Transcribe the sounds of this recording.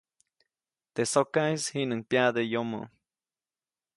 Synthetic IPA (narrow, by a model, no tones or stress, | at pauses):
t̪esokaishinaŋpjad̪ejomo̰